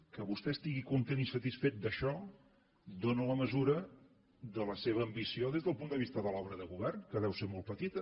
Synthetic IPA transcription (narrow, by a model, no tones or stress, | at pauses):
kəβust̪ɛst̪iɣikunt̪enisət̪isfet̪̚d̪əʃɔ | d̪onələməzuɾə | ðələseβəːmbisioðezðəlˠpund̪əβist̪əðəlɔβɾəðəɣuβɛrnkəð̞ɛwseɾmɔlˠt̪pət̪it̪ə